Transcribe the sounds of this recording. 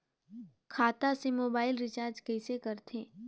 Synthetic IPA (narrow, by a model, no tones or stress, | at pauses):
kʰaːt̪asemoːbaːɪlɾɪt͡ʃaːɾd͡ʒkɛːsekɐɾt̪ʰẽː